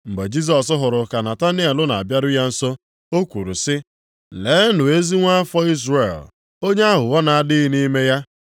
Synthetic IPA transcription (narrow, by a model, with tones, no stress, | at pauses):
m̩˨ɡ͡be˨d͡ʒi˦s̬ɔ˨s̬ʊ˦ɦʊ˨ɾʊ˨ka˨na˨ta˦ni˦a˨lʊ˦na˨a˨bja˦ɾʊ˦ja˦n̩˦so˦ | o˦kʷu˨ɾṵ˨sɪ˦ | leː˨˦nʊ˨e˦zi˦ŋʷa˦a˦fɔ˦i˦zre˨l | o˦ɲe˦a˦ɦʊ˨wɔ˦na˨a˨dɪ˦ɣi˦ni˦me˦ja˦